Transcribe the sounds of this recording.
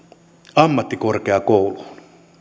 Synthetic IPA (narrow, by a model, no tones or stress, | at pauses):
ɑmːɑt̪ːikorkeɑkowlu